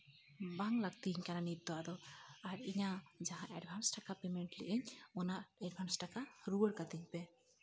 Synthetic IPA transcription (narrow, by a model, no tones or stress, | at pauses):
baŋlaɡ̚t̪iɦiɲkananit̪̚d̪ɔwad̪ɔaɾiɲad͡ʒaɦãʔɛɖbʱansʈakapɛmɛɳʈlḭʔiɲɔnaʔɛɖ̚bʱansʈakaɾuwəɽkat̪iɲpɛ